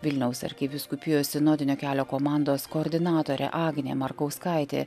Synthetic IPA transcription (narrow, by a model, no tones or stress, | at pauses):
ʋʲɪlʲnʲɛʊsɐ̰ɾʲkʲɪʋʲɪskʊpʲɪjoːsʲɪnoːd̪ʲɪnʲoːkʲæːlʲoːkoːmɑˑnd̪oːskoːɾʲd̪ʲɪnɑːt̪oːɾʲɛ̰ʔɑːɡnʲḛːmɐɾkɐʊskɑɪt̪ʲḛː